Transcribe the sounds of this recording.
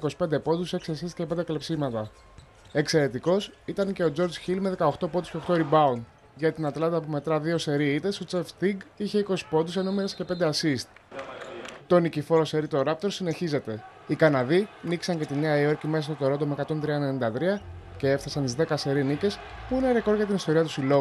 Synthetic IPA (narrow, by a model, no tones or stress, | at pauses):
ko̞si̥pe̞nd̪epo̞d̪use̞ksiɐsist̪cepe̞nd̪eklepsimɐt̪ɐ | e̞kse̞ɾe̞t̪iko̞sit̪ɐnce̞o̞d͡zo̞ɾd͡zçilme̞ðe̞kɐoxt̪o̞po̞d̪usce̞oxt̪oɾibɐund̪ | ʝɐt̪inɐt̪lɐnt̪ɐp̬ume̞t̪ɾɐðio̞se̞ɾiit̪e̞sot͡seft̪iɡiçe̞iko̞si̥po̞d̪use̞nomeɾescepe̞nd̪eɐsist̪̚ | t̪o̞nicifo̞ɾose̞ɾit̪o̞ɾɐp̚t̪o̞ɾsine̞çize̞t̪e̞ | ikɐnɐðiniksɐɲce̞t̪ineɐio̞ɾcimeɐst̪ot̪oɾo̞d̪ome̞kɐt̪o̞nt̪ɾiɐnenind̪ɐt̪ɾiɐce̞efθɐsɐnt̪izðe̞kɐse̞ɾinice̞s | puineɾeko̞ɾʝɐt̪inist̪o̞ɾiɐt̪usilo̞u